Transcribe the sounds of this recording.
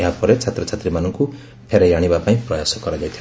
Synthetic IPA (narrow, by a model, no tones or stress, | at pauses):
eɦapɔɾet͡ʃʰat̪ɾɔt͡ʃʰat̪ɾimanɔŋku | pʰeɾejaɽ̃ibapaĩpɾɔjasɔkɔɾad͡ʒajt̪ʰj